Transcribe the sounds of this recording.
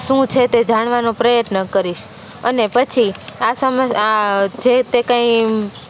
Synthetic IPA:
ʃũt͡ʃʰet̪ed͡ʒaɽ̃ʋanõpɾəjət̪nəkəɾiʃ | ənepət͡ʃʰiasəməad͡ʒet̪ekãĩ

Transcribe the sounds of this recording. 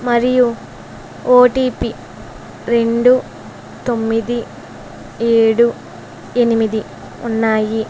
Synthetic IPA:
mɐɾiju | oːʈiːpi | ɾe̞ɳɖu | t̪o̞mːid̪i | eːɽu | e̞nimid̪i | unːaːji

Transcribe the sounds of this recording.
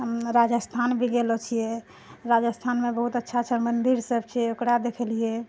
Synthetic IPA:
ɦəmɾad͡ʒəst̪ʰanbʱiɡelot͡ʃʰijɛ | ɾad͡ʒəst̪ʰanmebəɦut̪ətːʃʰat͡ʃʰəmənd̪iɾsəbt͡ʃʰiokɾad̪ekʰəlije

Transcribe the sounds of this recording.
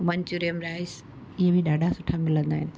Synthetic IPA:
mɐɲt͡ɕuɾijəmɾaːɪs | ɪɦebʱiɗaːɖʱasʊʈʰamɪlə̃nd̪aːɦɪnɪ̆

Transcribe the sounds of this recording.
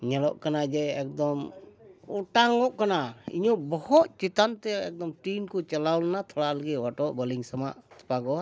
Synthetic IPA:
ɲɛlɔʔkanad͡ʒɛɛk̚d̪ɔm | uʈaŋɔʔkanaḭɲɔbɔhɔt̪̚t͡ʃit̪ant̪ɛɛk̚d̪ɔmʈinkɔt͡ʃɐlawlnat̪ʰɔɽaləɡɛwaʈɔʔbəliŋsama̰ʔt̪ʰɔ̥paɡɔa

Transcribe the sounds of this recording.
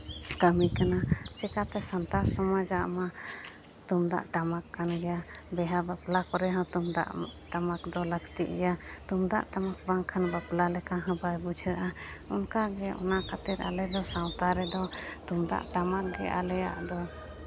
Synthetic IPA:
kəmikanat͡ʃɛkat̪ɛsant̪assɔmad͡ʒaʔma | t̪umd̪a̰ʔʈamakʰːanɡɛjabɛɦabaplakɔɾɛɦãwt̪umd̪a̰ʔʈamakd̪ɔləɡt̪iʔɡɛjat̪umd̪a̰ʔʈamak̚baŋkʰanbaplalɛkaɦə̃bajbud͡ʒʱəʔaɔnkaɡɛʔɔ̰nakʰat̪iɾa̰lɛd̪ɔsawt̪aɾɛd̪ɔt̪umd̪a̰ʔʈamak̚ɡɛʔa̰lɛja̰ʔd̪ɔ

